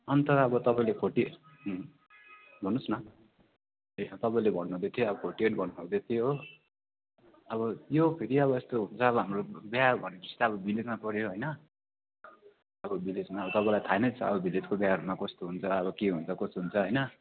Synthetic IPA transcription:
ʌnt̪ʌʌbʌt̪ʌpãĩlekʰoʈi | ɦ | bʱʌnːusnʌ | et̪ʌpaĩlebʱʌnːuɦd̪et̪ʰioʌbʌkʰoʈieʈbʱʌnːuɦõd̪et̪ʰijo | ʌbʌjopʰeɾiʌβʌest̪oɦunt͡sʰʌːβʌɦamrobjɦarbʱʌneʌst̪aʌbʌbiled͡zmapʌɽeoɦʌjnʌ | ʌbʌbiled͡zmaʌbʌt̪ʌpãĩlajt̪ʰaenʌjt͡sʰʌʌ̰bʌbiled͡zkobjaɦaɾumakʌst̪oɦunt͡sʰʌʌβʌkeɦunt͡sʰʌkʌsɦunt͡sʰʌɦʌjnʌ

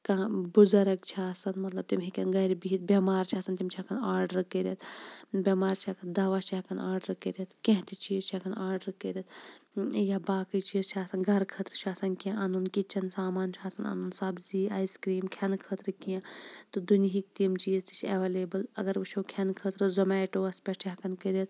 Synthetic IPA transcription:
kãːbuzɐɾɐkt͡ʃʰaːsɐnmɐt̪lɐb̚t̪imɦikʲɐnɡɐjɾibiit̪̚bʲemaːɾt͡ʃʰaːsɐnt̪ʲimt͡ʃʰaːkʰɐnaːɾɖəɾɨkeːɾet̪ʰbʲeːmaːɾt͡ʃʰakʰɐnd̪aːʋaːt͡ʃʰaːkʰɐnaːɾɖɾkeːɾet̪kẽɦt̪it͡ʃʰiːzt͡ʃʰakʰɐnaːɾɖɾkeɾʲɐt̪ʰ | jabaːkɐjt͡ʃiːzt͡ʃʰaːsɐnɡɐɾkʰət̪ɾɨt͡ʃʰaːsɐnkiãʔɐnunkit͡ʃʰːɐnsaːmaːnt͡ʃʰaːsɐnɐ̰nunsɐbziːaːjskɾiːmkʰɐnkʰət̪ɾɨkiãt̪ɨd̪uniɦik̚t̪imt͡ʃiːzt̪it͡ʃʰɐʋeleːbəlɐ̰ɡɐɾut͡ʃʰoːkʰɐnkʰət̪ɾɨzɐmɛːʈoːɐspʲeʈt͡ʃʰakɐnkeɾet̪̚

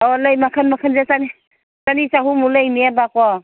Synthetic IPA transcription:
ɔlajmakʰanmakʰanzasani | sanisaɦumulajmiabakɔ

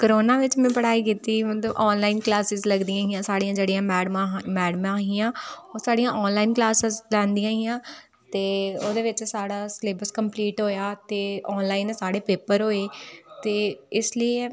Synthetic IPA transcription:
kəɾoːnaːʋɪt͡ʃmɛ̃ːpəɽaːiːkiːt̪iːmət̪ləbʔɔːnlaːɪnklaːsɪzləɡd̪ijãːɦijãːsaːɽiãːd͡ʒeːɽijãːmɛːɽmãmɛːɽəmãːɦɪjãːoːsaːɽijãːʔɔːnlaːiːnklaːsəzlɛ̃ːnd̪ijãːɦɪjãː | t̪eːoːd̪eːʋɪt͡ʃsaːɽaːsleːbəskəmpliːʈɦoːjaːt̪eːɔːnlaːinsaːɽeːpeːpəɾɦoːeːt̪eːɪslie

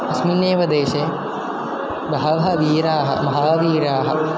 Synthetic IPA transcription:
ɐsmunjeːʋɐd̪eːʃe | bɐɦɐʋɦɐʋiːɾaːɦɐ̰mɐɦaːʋiːɾaːɦɐ̰̆

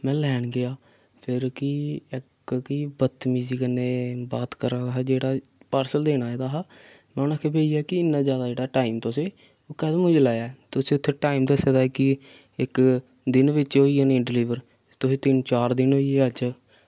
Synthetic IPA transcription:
mɛ̃ːlɛːɳɡɪaː | pʰɪɾkɪɪk | kibət̪miːziːkəneːbaːt̪kəɾaːd̪aːɦaːd͡ʒeːɽaːpaːɾsəld̪eːnaːed̪aːɦaː | mɛ̃ːnaːkʰeːbeːiːɛːkɪɪnːãːzjaːd̪aːd͡ʒeːɽaːʈaːiːmt̪oseː | okɛːd̪mʊ̃d͡ʒlaːjaːt̪ʊsẽːʊt̪ʰːeːʈaːimd̪asəd̪aːkɪ | ɪk | d̪ɪnʋɪt͡ʃɦoːiːaːnẽːɖɪlɪʋəɾ | t̪ʊsẽːt̪ɪnt͡ʃaːɾd̪ɪnɦoːieəd͡ʒ

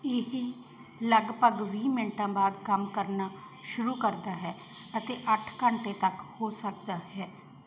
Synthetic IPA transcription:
ɪɦi | ləɡpəɡʋiːmɪɳʈãːbaːd̪kəmkəɾnaː | ʃʊɾuːkəɾd̪aːɦɛːət̪eːʔəʈʰkəɳʈeːt̪əkhoːsək̚d̪aːɦɛː

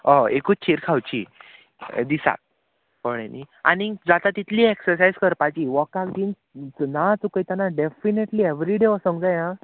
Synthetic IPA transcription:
ɔekut͡ɕʰeɾkʰawt͡ɕḭ | d̪isa̰t̪̚ | pəɽenḭa̰nid͡zat̪at̪it̪ʰliːeksəɾsajzkəɾpat͡ɕiʋɔkakd̪in | t͡snat͡sukəjt̪anaɖefineʈlieʋɾiɖeəsə̃ŋɡd͡zajã

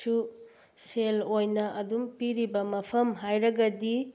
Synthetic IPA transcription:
u | selojnɐʔɐdumpiɾibɐmɐpʰɐmɦajɾɐɡɐdi

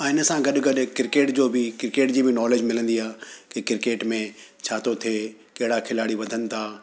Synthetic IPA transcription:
ɛ̃ːɪnə̆sãɡɐɗɡɐɗkɪɾɪkeːʈd͡ʑoːbɪkɪɾɪkeːʈd͡ʑiːbɪnɔːleːd͡ʑmɪlə̃nd̪iaːkekɪɾɪkeːʈmẽt͡ɕʰaːt̪ʰot̪ʰie | kɐɦɪɽakʰɪlaːɽiʋɐd̪ʱənɪ̆t̪ʰaː

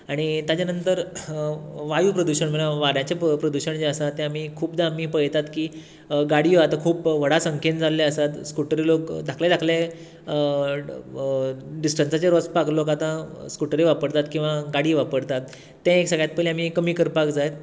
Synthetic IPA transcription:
aɽ̃it̪jat͡ɕanənt̪əɾ | ʋajuːpɾəd̪uɕəɳm̤əɭãʋaɾjãt͡ɕepɾəd̪uɕəɳd͡ʑeəsat̪ːẽam̤iːkʰuːpd̪aam̤iːpəjt̪at̪kiː | ɡaɽiːʋat̪akʰuːpʋəɽasəŋkʰend͡zalːeəsat̪skuʈəɾilokd̪ʱakʰljad̪ʱakʰle | ɖisʈənsat͡ɕeɾot͡spaklokat̪ãskuʈɾiʋapəɽt̪at̪kĩw̃ʋaɡaɽiːʋapəɽt̪at̪ː | ɛ̃eksəɡɭjat̪̚pəlĩam̤ikəmiːkəɾpakd͡zajt̪

